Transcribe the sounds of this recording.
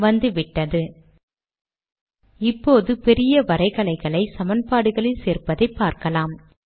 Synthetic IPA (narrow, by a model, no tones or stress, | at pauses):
ʋɐnd̪ɯʋɪʈːɐðɯ | ɪpːoːðɯpɛɾɪjɐʋɐɾɐɪɣɐɭɐɪɣɐɭɐɪsɐmɐnpaːɽɯɣɐɭɪlseːɾpɐðɐɪpːaːɾkɐlaːm